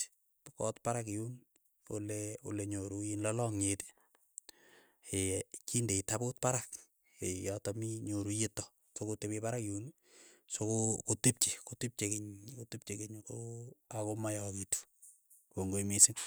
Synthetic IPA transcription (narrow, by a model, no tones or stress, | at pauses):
kɔtpaɾakijun | oleṵleɲoɾujinlɔlɔŋete̥ | ekindeitapot̚paɾak | ejɔtɔmiɲoɾujetːɔ | sokotepepaɾakjun | sokokotip̚t͡ʃikotip̚t͡ʃekeɲkotip̚t͡ʃekeɲkoakomajɔkitu̥ | koŋɡoimisɪŋ